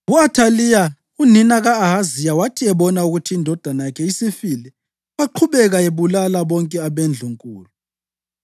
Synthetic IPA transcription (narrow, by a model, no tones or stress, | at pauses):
βuatʰalija | uninaɣaːɦazijawatʰiɛβɔnauɣutʰiːndʱɔd̥ʱanajakʰɛisifilɛ | βaǃʰuβɛɣaeβulalaβɔŋkʼɛaβend͡ɮʱuŋkʼuːlu